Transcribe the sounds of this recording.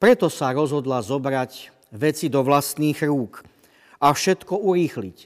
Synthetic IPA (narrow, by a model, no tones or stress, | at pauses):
pɾɛt̪ɔsaɾɔzɦɔd̪lazɔbɾac | ʋɛt͡sid̪ɔʋlast̪niːɣɾuːk | afʃɛt̪kɔuɾiːxlic